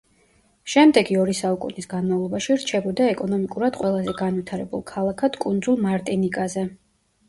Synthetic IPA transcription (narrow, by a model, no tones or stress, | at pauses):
ʃɛmd̪ɛɡiɔɾisaukʼṵnisɡanmavlˠɔbaʃiɾt͡ʃʰɛbɔd̪aɛkʼɔnɔmikʼuɾad̪̥qʼwɛlˠazɛɡanvwit̪ʰaɾɛbṵlˠkʰalˠakʰad̪kʼund̪zulˠmaɾt̪ʼinikʼazɛ